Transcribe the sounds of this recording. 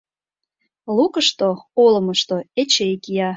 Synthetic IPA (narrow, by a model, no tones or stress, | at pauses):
lukəʃt̪oolə̆məʃt̪oet͡ɕekijɑ